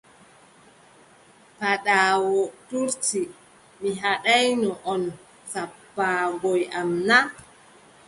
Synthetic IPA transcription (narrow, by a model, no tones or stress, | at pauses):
paɗaːwɔtuɾti | miɦaɗajnɔʔɔn | sapːaːɡɔjʔamna